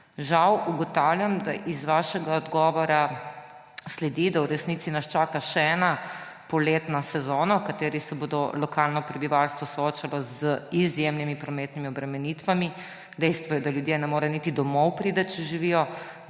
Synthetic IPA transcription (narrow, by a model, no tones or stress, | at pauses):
ʒawuɡɔt̪awljamd̪aʔizʋaːʃɛɡaɔd̪ɡɔʋɔɾa | slɛd̪id̪awɾɛsnit̪sinast͡ʃaːkaʃɛɛːna | pɔleːt̪nasɛzoːnawkat̪eːɾisɛboːd̪ɔlɔkalnɔpɾɛbiʋalst̪ʋɔsɔoːt͡ʃalɔzəizjemnimipɾɔmeːt̪nimiɔbɾɛmɛniːt̪ʋami | d̪ɛjst̪ʋɔjɛd̪aljud̪jenɛmoːɾɛjnit̪id̪ɔmɔwpɾiːd̪ət̪̚t͡ʃɛʒiʋijɔ